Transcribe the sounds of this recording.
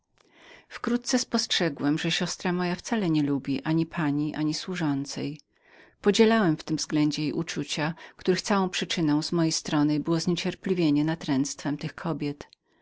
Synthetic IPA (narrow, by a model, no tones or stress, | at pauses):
fkɾut̪̚t̪sɛspɔstʂɛɡwɛmʐɛɕɔst̪ɾamɔjaft̪salɛɲɛlubʲiʔaɲipʰaɲiʔaɲiswuʐɔnt̪sɛ̰j | pɔd͡ʑɛlawɛmft̪ɘmvzɡlɛɲd͡ʑɛjejʔut͡ʂut͡ɕakt̪uɾɘxt̪sawɔ̃w̃pʂɘt͡ʂɘnɔ̃w̃zmɔjejst̪ɾɔnɘbɘwɔzɲet͡ɕɛɾpʲlʲivʲjeɲɛnat̪ɾɛnt̪st̪fɛmt̪ɘxkʰɔbʲjɛt̪